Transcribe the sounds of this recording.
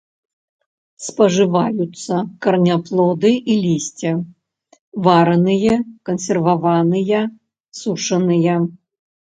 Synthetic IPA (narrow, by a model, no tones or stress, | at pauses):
spɐʐɨvajut̪sːɐkɐrnʲaplˠɔd̪ɨʔilʲisʲt͡sʲɛ | vaɾɐnɨjɐkɐnsʲɛrvavanɨjɐ | suʂɐnɨjɐ